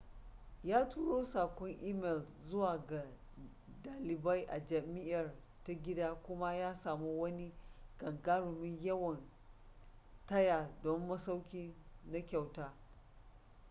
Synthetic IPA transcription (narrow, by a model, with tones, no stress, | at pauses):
jaː˦tuː˦ɽoː˦saː˨kʷɔ˦ŋʔiː˦mɛ˨l | zʊ˦waː˨ɡa˨ | daː˨lɪ˨ba˦jʔa˨d͡ʒɐ˨mɪ˦jɐ˨r | ta˦ɡʲɪ˦daː˦kʷʊ˦ma˦jaː˦saː˨mu˦wɐ˦ni˦ɡ̥ɐ˨ŋɡaː˦ɽʊ˨mɪ˦ɲjɐ˦wɐ˨n | tɐ˦jaː˨dɔ˦mːɐ˦sa˦wkʲiː˦na˦kʲa˨wtaː˦